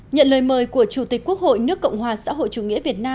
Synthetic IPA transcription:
ɲə̰˧˨nləː˨˩jməː˨˩jku˧˩ət͡ɕu˧˩t̪ï˨˩k̟̚ku˦˥ək̚ho̰˧˨jnɨ˦˥əkːə̰˧˨wŋ͡mhwaː˨˩sa̰ː˧˥ɦo̰˧˨jt͡ɕu˨˩ŋḭ˧˥əvi˨˩ət̚naː˧

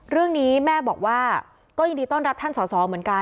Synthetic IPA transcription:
ɾɯ˥˩əŋniː˦˥mɛː˥˩bɔː˨˩k̚waː˥˩ | kɔː˥˩jŋdiː˧t̪ɔː˥˩nɾa˦˥p̚t̪ʰa˥˩nsɔː˩˦sɔː˩˦mɯ˩˦ənka˧

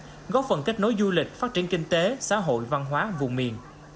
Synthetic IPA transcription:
ɣɔ˦˥p̚fə˨˩nka˦˥jk̟̚no˨˦jzu˧lï˨˩k̟̚faː˦˥t̚t͡ɕi˧˩ənkï˧ŋ̟t̪e˨˦sa̰ː˧˥ɦo̰˧˨jva˧nɦwaː˨˦vʊ̰˨˩ŋ͡mmḭ˨˩ən

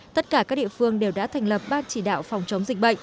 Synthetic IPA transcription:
t̪ə˦˥t̚kaː˧˩kaː˦˥k̚ɗḭ˧˨əfɨ˧əŋɗe˨˩wɗa̰ː˧˥t̪ʰa˨˩jŋ̟lə˨˩p̚ɓaː˧nt͡ɕi˧˩ɗa̰ː˧˨wfɔ˨˩wŋ͡mt͡ɕə˨˦wŋ͡mzï˨˩k̟̚ɓə̰˧˨ŋ

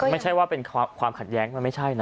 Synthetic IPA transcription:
ma˥˩jt͡ɕʰa˥˩jwaː˥˩pe˧nkʰaː˧kʰwaː˧mkʰa˨˩t̪̚jɛː˦˥ŋma˧nma˥˩jt͡ɕʰa˥˩jna˦

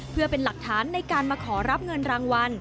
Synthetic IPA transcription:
pʰɯ˥˩ɐpe˧nla˨˩k̚t̪ʰaː˩˦nːa˧jkaː˧nmaː˧kʰɔː˩˦ɾa˦˥p̚ŋɤ˧nɾaː˧ŋwa˧n

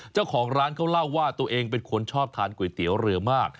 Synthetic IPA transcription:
t͡ɕaː˥˩wkʰɔː˩˦ŋɾaː˦˥nkʰa˥˩wla˥˩wːaː˥˩t̪u˧əʔeː˧ŋpe˧nkʰo˧nt͡ɕʰɔː˥˩p̚t̪ʰaː˧nku˨˩˦jt̪i˨˩˦wɾɯ˧ɐmaː˥˩k̚

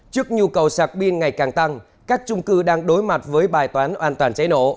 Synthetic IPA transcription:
t͡ɕɨ˦˥ək̚ɲu˧kə˨˩wsaː˨˩k̚ɓi˧ənŋa˨˩jkaː˨˩ŋt̪a˧ŋ | kaː˦˥k̚t͡ɕʊ˧ŋ͡mkɨ˧ɗaː˧ŋɗo˨˦jma˨˩t̚vəː˨˦jɓaː˨˩jt̪waː˨˦nʔwaː˧nt̪waː˨˩nt͡ɕa˨˦jno̰˧˩˨

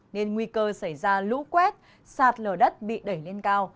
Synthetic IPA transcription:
ne˧nŋwi˧kəː˧sa˧˩jzaː˧lṵ˧˥kwɛ˦˥t̚ | saː˨˩t̚ləː˨˩ɗə˦˥t̚ɓḭ˧˨ɗə˧˩jle˧nkaː˧w

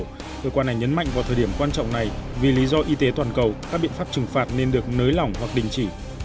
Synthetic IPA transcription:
kəː˧kwa˧nːa˨˩jɲə˨˦nma̰˧˨jŋ̟vaː˨˩t̪ʰəː˨˩ɗi˧˩əmkwaː˧nt͡ɕɔ̰˧˨wŋ͡mna˨˩jvi˨˩li˨˦zɔ˧ʔi˧t̪e˨˦t̪waː˨˩nkə˨˩wkaː˦˥k̚ɓḭ˧˨ənfa˦˥p̚t͡ɕɨ˨˩ŋfaː˨˩t̚ne˧nɗɨ˨˩ək̚nəː˨˦jla˨˩wŋ͡mhwa˨˩k̚ɗï˨˩ŋ̟t͡ɕi˧˩

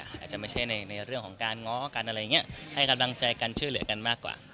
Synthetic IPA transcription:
ʔa̰ː˨˩t͡ɕa˨˩ʔma˥˩jt͡ɕʰa˥˩jna˧jna˧jɾɯ˥˩əŋkʰɔː˩˦ŋkaː˧nŋɔː˦˥ka˧nʔa˧ɾa˧jːŋːi˦˥ɐha˥˩jka˧mla˧ŋt͡ɕa˧jkaː˧nt͡ɕʰu˥˩lɯ˩˦əka˧nmaː˥˩kwa̰ː˨˩

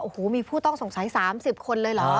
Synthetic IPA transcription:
ʔoː˨˩hoː˩˦miː˧pʰuː˥˩t̪ɔ˥˩ŋso˨˩ŋsa˩˦jsaː˩˦msi˨˩p̚kʰo˧nlɤː˧jla˨˦˥

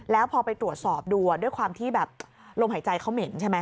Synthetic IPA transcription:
lɛː˦˥wpʰɔː˧pa˧jt̪ɾu˨˩ət̪̚sɔː˨˩p̚duː˧du˥˩əjkʰwaː˧mt̪ʰiː˥˩bɛː˨˩p̚ | lo˧mɦa˩˦jt͡ɕa˧jkʰa˦˥wme˩˦nt͡ɕʰɛ˥˩ma˦˥

